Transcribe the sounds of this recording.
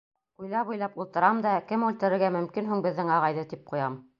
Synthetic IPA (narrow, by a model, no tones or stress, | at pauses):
ujlˠɑpujlˠɑpulˠt̪ɤ̆ɾɑmd̪ɑkɘmʉlt̪ɘ̆ɾɘ̆ɾɡæmɵ̆mkinɦuŋbɘ̆ðːɘŋɑʁɑjðɤt̪ip̚qujɑm